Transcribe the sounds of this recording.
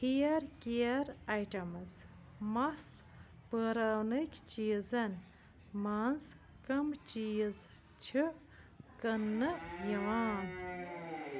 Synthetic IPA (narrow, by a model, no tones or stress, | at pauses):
hʰijɐɾkijɐɾajʈɐmɨz | mɐs | pəɾɐwnɨkʲt͡ʃiːzɐnʲ | manz | kɐmt͡ʃiːz | t͡ʃʰɨ | kɐnːɨjiʋaːn